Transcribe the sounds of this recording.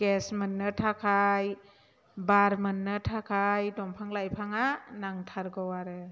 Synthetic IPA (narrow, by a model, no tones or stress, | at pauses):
ɡ̥ɛsmənːɯtʰakʰaj | baɾmɯnːɯtʰakʰajdɔmpʰaŋlajpʰaŋanaŋtʰaɾɡɔwaɾɯ